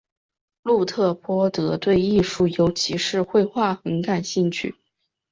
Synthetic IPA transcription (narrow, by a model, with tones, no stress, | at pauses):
lu˥˧t̪ʰɤ˥˩pwɔ˥t̪ɤ˧˥t̪we˥˧ɪi˥˧ʂu˥˩jo˧˥ʊt͡ɕʰi˧˥ʂɻ̩˥˧xwe˥˧ɪxwa˥˩xə˧˥nka˨˩nɕi˥˧ŋt͡ɕʰy̰˥˩